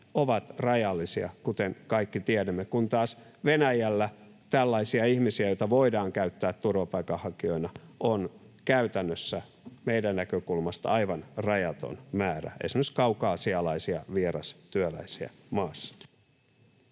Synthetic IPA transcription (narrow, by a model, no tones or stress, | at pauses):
oʋɑt̪rɑjɑlːisiɑ̰kut̪eŋkɑikːit̪iɛdæmːekunt̪ɑːs | ʋenæjælːæ | t̪ælːɑisiɑihmisiæjoit̪ɑʋoidɑːŋkæyt̪ːæːt̪turʋɑpɑikɑhɑkio̞inɑʔon | kæyt̪ænːøsːæ | meidænːækøkulmɑst̪ɑ̰ɑiʋɑnrɑjɑt̪o̰nmæːɾæ̰ḛsimøsi̥kɑukɑːsiɑlɑisiɑʋieɾɑst̪yølæ̰isiæ̰ | mɑːsːɑ̥